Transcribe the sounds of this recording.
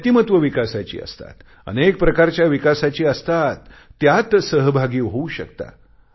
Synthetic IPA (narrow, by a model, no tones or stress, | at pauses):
t̪imət̪ʋəʋikasat͡ɕḭːə̰st̪a̰t̪ | ə̰nek̚pɾəkaɾt͡ɕjaʋikasat͡ɕiːəst̪at̪ːjat̪səɦbʱaɡiːɦouɕə̰kt̪a̰